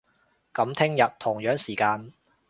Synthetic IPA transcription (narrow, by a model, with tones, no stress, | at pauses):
kɐ˨˥mt̪ʰɪ˥ŋjɐ˨t̚t̪ʰʊ˨˩ŋjœː˨˥ŋsiː˨˩kaː˧n